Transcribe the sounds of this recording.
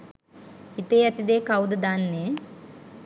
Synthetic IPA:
it̪eːɐt̪id̪eːkɐwd̪ɐd̪aːnːe

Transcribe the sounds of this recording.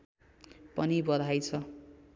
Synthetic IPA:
pʌnibʌd̪ʱajt͡sʰʌ

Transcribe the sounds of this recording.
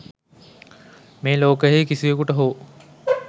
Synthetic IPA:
meːloːkəjɦejkisiʋekuʈəɦoː

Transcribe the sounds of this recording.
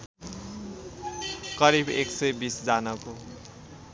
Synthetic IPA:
kʌɾibeksʌjbisd͡zanʌko

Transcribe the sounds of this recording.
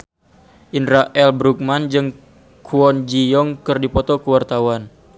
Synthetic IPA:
ʔinɾaʔɛlbɾuk̚mand͡ʒɨŋ | kʰuɔnd͡ʒijɔŋkɨrdipɔt̪ɔkəwart̪awan

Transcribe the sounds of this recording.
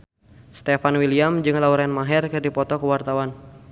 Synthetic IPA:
st̪ɛfanwiliamd͡ʒɨŋlauɾɛnmaɦɛrkɨrdipɔt̪ɔkəwart̪awan

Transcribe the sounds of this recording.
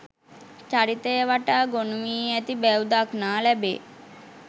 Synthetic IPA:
t͡ɕaɽit̪eʋaʈaɡonmiːjɛt̪ibɛwd̪aknalɛbḛ

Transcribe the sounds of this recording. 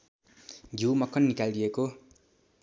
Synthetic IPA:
ɡʱiwmʌkʰːʌnːikaldijeko

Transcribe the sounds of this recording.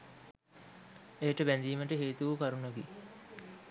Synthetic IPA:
eːʈəbænd̪iːməʈəɦeːt̪uʋəkaɾunəɡi

